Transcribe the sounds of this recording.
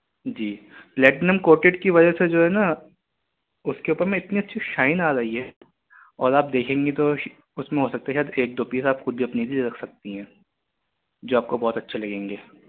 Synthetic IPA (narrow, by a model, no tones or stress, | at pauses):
d͡ʒiː | plɛːʈnəmkoːɾʈɪʈkiʋɐd͡ʒɐsed͡ʒoːɦɛna | ʊskeuːpəɾmẽɪt̪niɐtːʃʰiʃaːɪnaːɾɐɦiɦɛ | ɔ̰ːɾaːp̚d̪eːkʰẽːŋɡet̪o | ʊsmẽɦosɐk̚t̪aɦɛʃaːɛd̪eːk̚d̪oːpiːsaːpxʊd̪̚bʱiɐpnilieɾɐkʰsɐk̚t̪iɦɛ̃ː | d͡ʒoːaːp̚kobɔːt̪ɐtːʃʰelɐɡẽːŋɡeː